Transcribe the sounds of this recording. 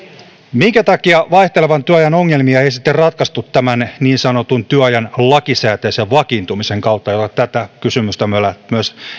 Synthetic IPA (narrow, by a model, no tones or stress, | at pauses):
miŋkæt̪ɑkiɑʋɑiht̪e̞leʋɑnt̪yøɑjɑnoŋːelmiɑeisit̪ːerrɑt̪kɑst̪ut̪ːæmænniːnsɑno̞t̪unt̪yøɑjɑnlɑkisæːt̪eːseʋʋɑkint̪umiseŋkɑwt̪ːɑjot̪ɑt̪æt̪ækysymyst̪æmyølæmyøs